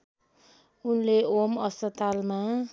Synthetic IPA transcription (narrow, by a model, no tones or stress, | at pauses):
unleomʌspʌt̪alma